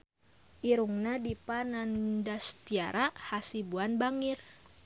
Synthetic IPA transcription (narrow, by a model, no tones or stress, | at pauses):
ʔiɾuŋnadipanandast̪ia̰ɾahasibuanbaŋir